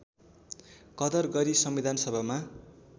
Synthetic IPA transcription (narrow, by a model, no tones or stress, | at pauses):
kʌd̪ʌrɡʌɾisʌmːid̪ʱansʌbʱama